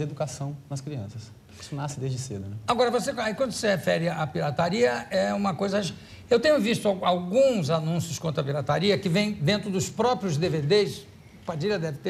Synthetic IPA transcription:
ed̪ukasɐ̃w̃nɐskɾiɐ̃sɐs | ki̥sʊnasɪd̪ezd͡ʒɪsḛd̪ʊnɛaɡɔɾɐvosekaikwɐ̃nd̪ʊsehefɛɾɪapiɾat̪aɾiɐɛũmɐkojzɐaʃ | ewt̪ẽɲʊvist̪ʊaawɡũzanũsjʊskõnt̪ʊɾɐpiɾat̪aɾiɐkɪvẽj̃d̪ẽnt̪ɾʊd̪ʊspɾɔpɾjʊzd̪eved̪es | pad͡ʒilɐd̪ɛvɪt̪e

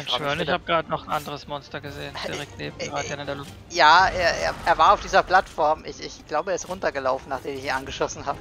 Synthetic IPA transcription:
nʃøɐnɪçhaːbəɡʁaːdənɔχn̩ʔandəʁəsmɔnstɐɡəzeːən̥iʁɛk̚tneːbmʁaːdəɡ̥ɛɐnəɪndeːɐlʊftjaːʔeːɐʔḛːɐeːɐvaːɐaʊfd̥iːzɐpl̥atfɔɐmʔɪçɪçɡ̥laʊbəeːɐɪstʁʊntɐɡəlaʊfn̩naːχd̥eːmɪçiːnʔanɡəʃɔsn̩haːbə

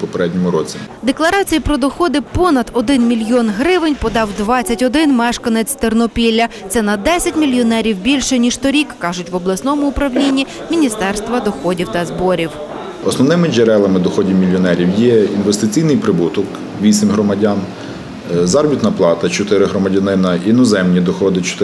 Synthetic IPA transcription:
pɔpeɾɛdʲnʲɔmʊɾɔt͡sʲid̪e̞klˠɐɾɑt͡sʲijipɾɔd̪ɔxɔd̪ɪpɔnɐd̪ɔd̪ɪnmʲilʲjɔnɦɾɪʋɪnʲpɔd̪ɑwd̪ʋɑt͡sʲːɐtʲɔd̪ɪnmɛʃkɐnet͡sʲt̪ernɔpʲilʲːɐt̪sɛnɐd̪ɛsʲɐtʲmʲilʲjɔnɛɾʲiwbʲilʲʃɛnʲiʃt̪ɔɾʲikːɑʒʊtʲʋɔblˠɐsnɔmʊːpɾɐwlʲinʲːi | mʲinʲist̪ɛrst̪ʋɐd̪ɔxɔdʲiwt̪ɐzbɔɾʲiw | ɔsnɔwnɪmɪd͡ʒeɾɛlˠɐmɪd̪ɔxɔdʲiwmʲilʲjɔnɛɾʲiwjɛinʋest̪ɪt͡sʲijnɪjpɾɪbut̪ɔk | ʋʲisʲɪmʲɦɾɔmɐdʲɑn | zɑɾɔbʲit̪nɐplˠɑt̪ɐt͡ʃɔt̪ɪɾɪɦɾɔmɐdʲɐnɪnɐinɔzɛmnʲid̪ɔxɔd̪ɪt͡ʃɔ̥t̪ɪ

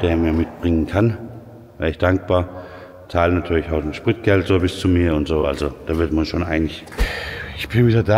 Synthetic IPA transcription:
d̥eːɐmiːɐmɪt̚b̥ʁɪŋənkʰan | v̥ɛ̰ːɐɪçd̥aŋk̚b̥aːɐ | t͡saːlənatʰyːɐlɪçaʊtnʃpʁ̥ɪt̚ɡ̥ɛltz̥oːbɪst͡sumiːɐʊntz̥oːʔa̰lzod̥aːvɪɐtmaʃoːnʔaɪənɪç | ɪçb̥ɪnviːdɐda

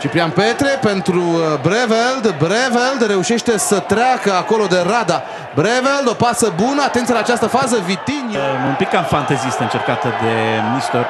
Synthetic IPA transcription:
t͡ʃipɾianpe̞t̪ɾe̞pe̞nt̪ɾubɾeveld̪bɾeveld̪ɾe̞uʃe̞ʃt̪e̞sət̪ɾeakəako̞lo̞d̪e̞ɾad̪a | bɾeveld̪o̞pasəbunəat̪ent̪sielaːt͡ʃast̪əfazəvit̪inʲumpikːamfant̪ezist̪əɨnt͡ʃerkat̪əd̪e̞mnist̪or

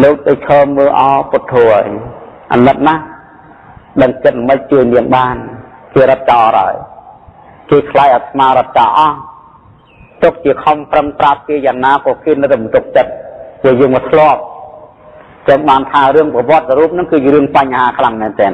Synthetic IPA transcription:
loːk̚ɗot͡ɕʰɔːmːəːʔɑɔpʊt̪ʰːuːʔə̰əjʔa̰nɨt̪̚nah | ɗəŋt͡ɕət̪̚mɨc̚t͡ɕɨːənliəŋɓaːnkeːɾot̪̚t͡ɕaːʔɾa̰əj | keːkʰlajʔaːsʰmaːɾɔ̆ət̪̚t͡ɕaːʔɑh | t̪ʊk̚t͡ɕiəkʰɑmprəŋprap̚keːjaːŋnaːpʊəkeːnɨwt̪ːəɓɑnt̪uk̚t͡ɕət̪̚puəjəːŋmɔːt̪ʰlŏəp̚ | ɲt͡ɕəŋɓaːnt̪ʰaːrɨəŋpɑʋŏət̪̚rɔɾuːp̚nɨŋkɨːɾɨəŋpaɲːaɦaːkʰlaŋmɛːnt̪ɛːn

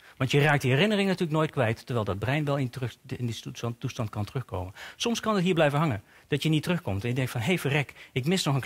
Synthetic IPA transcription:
ʋɑntjəraːk̚diɦɛrɪnərɪŋnatyːɹləknoːjt̚kʋɛjttːəɹʋɛjlˠdɑd̚brɛjnʋɛlˠɪntɪnditːustɑntkɑntərɵχko̰wmənnsɔmskɑnətɦiːɹblɛjvənɦɑŋən | d̥ɑtjənitərɵχkɔmtɛ̃njəɡdɛŋktfɑnɦejfərɛkɪkmɪsnɔχən

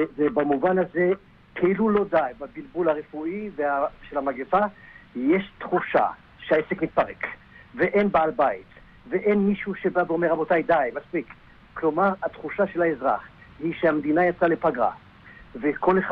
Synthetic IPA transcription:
evebamuvanaze | kʰeilulo̞d̪ajbabilbulhaʁefuʔiveaʃelamaɡefajeʃt̪χuʃa̰ | ʃeaesekmit̪̚paʁek | veʔenbaalbajit | veʔenmiʃuʃebabeomeʁabot̪ajd̪ajmaspik | klo̞maʁat̪χuʃaʃe̞laezʁa̰χhiʃehamd̪inajat͡salepaɡʁa̰ | veko̞leχ

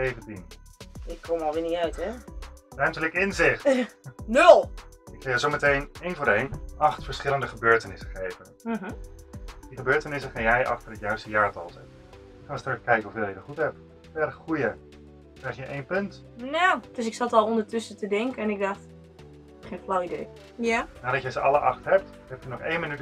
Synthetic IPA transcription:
sejvəntinɪkʰːomɔlˠʋɪːniœɥtɛrœɥmtələkɪnzɪχtnɵlˠɪkχajəzowmətejnejnvoːɾejnʔɑχtfəɹsχɪləndəχəbøːɹtənɪsəχejvənm̩ɦ̩ | diχəbøːɹtənɪsəχanjɛjʔɑ̰χtərɦətjœɥstəjaːɹtɑlˠsɛt | ɪkχanəstrəkkɛjkəɔfeːlˠjədəχutɦɛp̚t | fɛɾəχχujə | krɛjxjəʔejnpɵnt | nod̥øs̬ɪksɑtɔlˠɔndəɹtʏsətədɪŋkəɛnɪɡ̚dɑχt | χeːnflawidej | janadɔtjəzəʔɑləʔɑχtɦɛp̚t | hɛpjənɔχejnmənyt

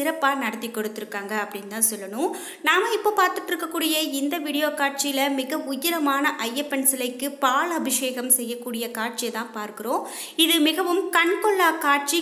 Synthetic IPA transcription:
ɪɾɐpːaːnɐɽɐt̪ːikːɔɽɯt̪ːɪɾɯkːaːŋɡɐɐpːɐɽɪnːt̪ãːsɔlːɐnʊ̃m | naːmɐɪpːoːpaːɾt̪ɯʈːɪɾɯkːɐkːuːɽɪjɐɪnd̪ɐʋiːɽɪjoːkaːʈ̚t͡ʃɪjɪlɐmɪɣɐʊjɪɾɐmaːnɐʔɐjːɐpːɛnsɪlɐɪkːɯpaːɭɐbɪʂeːɣɐmsɛjːɐkːuːɽɪjɐkaːʈ̚t͡ʃɪjɐt̪ãːpaːɾkɪɾõː | ɪðɯmɪɣɐʋɯmkɐɳkɔɭːaːkaːʈ̚t͡ʃi

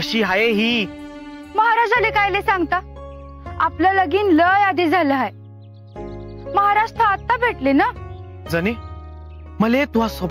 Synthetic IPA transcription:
əɕiːɦajeɦiː | məɦaɾad͡ʑalekajlesaŋɡt̪a | apljaləɡiːnləjad̪ed͡zʱaləɦaj | məɦaɾaʂt̪ɾəat̪ːabʱeʈlena | d͡zəne | məlet̪uɦasob

